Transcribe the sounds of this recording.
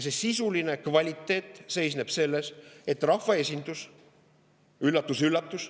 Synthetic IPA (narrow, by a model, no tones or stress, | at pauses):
se̞sisuline̞kvɑlʲit̪ːˑe̞ːt̪ˑse̞jsne̞b̥se̞lːe̞se̞t̪ːrɑhfvɑe̞sʲind̪̥us | ylːɑt̪ːˑusylːɑt̪ːˑus